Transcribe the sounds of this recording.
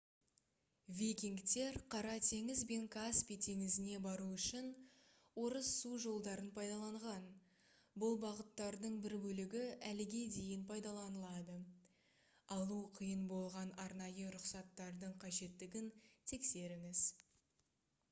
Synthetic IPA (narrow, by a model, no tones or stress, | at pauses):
vʲijkʲiŋkt̪e̞ɾqʰɑɾɑt̪ʰe̞ŋɪzbe̞ŋkʰaspijt̪ʰe̞ŋɪzɪne̞bɑɾuʏʃɪn | wo̞ɾəsːuʒo̞lˠd̪ɑɾənpʰɑjd̪ɑlˠɑɴʁɑn | bʊlˠbɑʁət̪ːɑɾd̪əɴbɪɾbɵlɪɡʲɪælɪɡʲe̞d̪e̞jɪnpʰɑjd̪ɑlˠɑnəlˠɑd̪ə | ɑlˠuqʰijənbo̞lˠʁɑnɑɾnɑjəɾʊqsɑt̪ːɑɾd̪əɴqʰɑʒe̞t̪ːɪɡʲɪnt̪ʰe̞kse̞ɾɪŋɪz